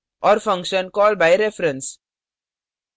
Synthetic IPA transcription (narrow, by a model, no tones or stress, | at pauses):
ʔɔːɾfʌ̃ŋkʃə̃nkɔːlɖ̚baɪɾefɾə̃ns